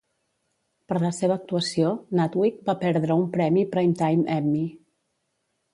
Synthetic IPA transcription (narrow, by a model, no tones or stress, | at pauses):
pəɾləseβ̞əːk̚t̪uəsionat̪wik̚bapɛɾðɾəumpɾɛmipɾajmt̪ajmɛmːi